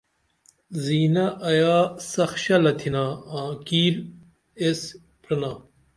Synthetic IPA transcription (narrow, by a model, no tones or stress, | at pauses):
ziːnɐʔɐjaːsɐxɕɐlɐt̪ʰinaːãːkiːɾ | es | pʰɾɐnaː